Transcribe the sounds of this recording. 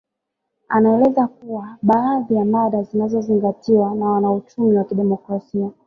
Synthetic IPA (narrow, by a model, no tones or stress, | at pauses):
anaɛlɛzakuwaɓaaðijamaɗazinazɔziŋɡatiwanawanaut͡ʃumiwakiɗɛmɔkɾasia